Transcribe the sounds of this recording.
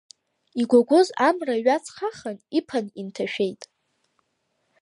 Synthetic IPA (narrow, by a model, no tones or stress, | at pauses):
iɡʷaɡʷʊzamraɥat͡sʰχaχanipʰanintʰaʃᶣe̞jtʼ